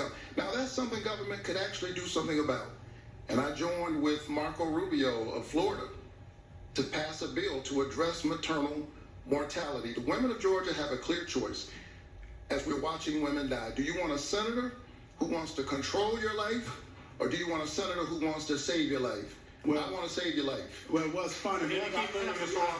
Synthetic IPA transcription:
naʊðætsʌ̃mθɪ̃ŋɡʌvə̃˞mɨ̃nkʰɨɾæk̚t͡ʃʉl̩ˠidɨsʌ̃mθɪ̃ŋəbaʊɾ | ɨ̃ñaɪd͡ʒɔ̃ɪ̃nwɪðmɑɹkoʊɹubioʊʌ̰v̥flɔɹɨɾə | ɾɨpʰæsəbɪlˠtʰəːdɹɛsmətʰɜ̃˞nl̩ˠ | mɔɹtʰælˠəɾiðəwɪ̃mə̃nʌvd͡ʒɔɹd͡ʒɨːvɨkʰl̥ɪɹt͡ʃʰɔɪs | ɨzwɪɹwɑt͡ʃɪ̃ŋwɪ̃mɨ̃ndaɪdɨjɨwɑ̃ɾ̃əsɛnɨɾə˞ | huwɑ̃ntstʰɨkʰɨ̃ntʰɹ̥oʊlˠjə˞laɪf | ʔə˞dɨjɨwɑ̃ɾ̃əsɛnɨɾə˞ɦuwɑ̃ntstɨseɪvjə˞laɪf | aɪwɑ̃nɨseɪvjə˞laɪfwɛwʌ̥fʌ̃nĩ

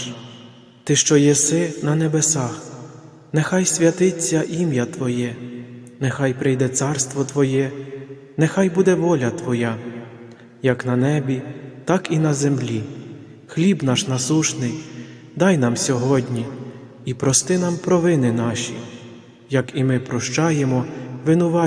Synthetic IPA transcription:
t̪ɪʃt͡ʃɔjɛsɪnɐnebesɑx | nɛxɑjsʲʋʲɐt̪ɪt͡sʲːɐʔimjɐt̪ʋɔjɛnɛxɑjpɾɪjd̪ɛt̪sɑrst̪ʋɔt̪ʋɔjɛ | nɛxɑjbud̪ɛʋɔlʲɐt̪ʋɔjɑ | jɐknɐnɛbʲit̪ɑkinɐzemlʲi | xlʲibn̪ɑʃnɐsuʃnɪj | d̪ɑjnɑmsʲɔɦɔdʲnʲi | ipɾɔst̪ɪnɑmpɾɔʋɪnɪnɑʃʲḭ | jɐkimɪpɾɔʃt͡ʃɑjemɔʋɪnʊʋɑ

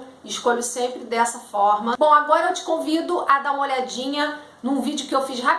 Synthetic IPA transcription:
ʃkoʎʊsẽmpɾɪd̪ɛsɐfɔɾmɐbõw̃aɡɔɾɐewt͡ʃɪ̥kõvid̪ʊʔad̪aũmoʎad͡ʒĩɲɐ | nũvid͡ʒʊkɪewfiʃɦap

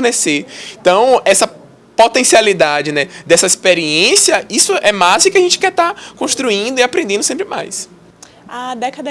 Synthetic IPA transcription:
neseẽt̪ɐ̃w̃ɛsɐ | pot̪ẽsialid̪ad͡ʒɪnɛd̪ɛsɐispeɾiẽsiɐisʊʔɛmazd̪ʊkɪaʒẽnt͡ʃɪ̥kɛt̪akõʃt̪ɾuĩnd̪ʊiapɾẽnd̪ẽnd̪ʊsẽpɾɪma̰js | ad̪ɛkɐd̪ɐ

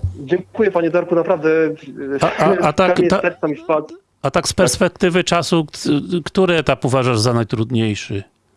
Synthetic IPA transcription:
d͡ʑɛŋkujɛpaɲɛd̪ɔɾkunapɾavd̪ɛaaatt̪aaɛasɛɾt̪samispa | at̪akspɛɾspɛk̚t̪ɘvɘt͡ʂasukt̪uɾɘɛt̪apuvaʐaʐzanajt̪ɾud̪ɲejʂɘ

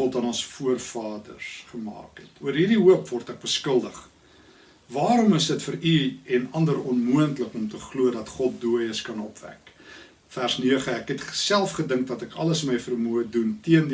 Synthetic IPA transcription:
ɔtɐnɔnsfuərfɑːdə̰rsχəmɑ̰ːkɦɛtuərɦirdiuəpvɔrtæk̚bəskəlˠdəχ | vɑːɾɔməsdətfəɾyɛnɐndəɾɔnmuəntləkɔmtəχluədɐtχɔt̚duəjəskɐnɔpvæ̰k | færsniəχəækɦɛtχsælˠfχədəŋk̚dɐtækɐ̰ləsməjfərmuəduntiənd

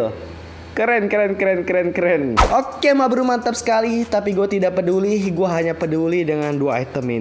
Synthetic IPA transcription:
kəɾɛnkəɾɛnkəɾɛnkəɾɛnkəɾɛnʔokemabəɾumant̪əp̚sə̥kalit̪apiɡuat̪idaʔpədulɪhɡuaɦaɲapədulihdəŋanduaːjt̪əmi

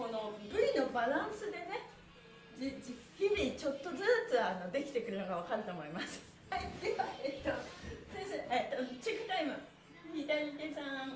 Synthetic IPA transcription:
ko̞no̞bɯ̟ɾʲino̞baɾãɰ̃sɨd̪e̞ne̞ | d͡ʑikʲːiɲʲit͡ɕo̞t̪ːo̞zɨːt͡sɨano̞d̪e̞kʲi̥t̪e̞kɯ̟ɾɯ̟no̞ɡaβ̞akaɾɯ̟t̪o̞ːmo̞imasɨ̥ | haid̪e̞βaet̪ːosẽseʔet̪ot͡ɕikːɯ̟̥t̪aimɯ̟ | ɲʲid̪aɲʲit̪esã

